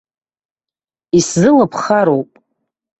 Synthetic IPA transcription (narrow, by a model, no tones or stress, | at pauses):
iszɨlapʰχaɾowpʼ